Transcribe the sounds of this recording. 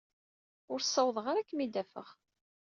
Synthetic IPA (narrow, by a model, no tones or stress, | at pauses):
ʊɾsˤːɑwðˤʁaɾakːmid̪æfə̰ʁ